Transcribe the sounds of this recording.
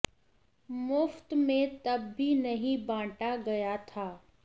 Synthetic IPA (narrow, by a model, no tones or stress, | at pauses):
mʊft̪mẽt̪ɐbːʱinɐɦĩbãːʈaɡɐjat̪ʰaː